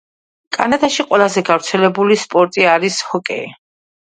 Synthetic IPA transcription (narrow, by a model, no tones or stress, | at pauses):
kʼanad̪aʃiqʼwɛlˠazɛɡavɾt̪sʰɛlɛbulispʼɔɾt̪ʼiaɾishɔkʼɛ̰i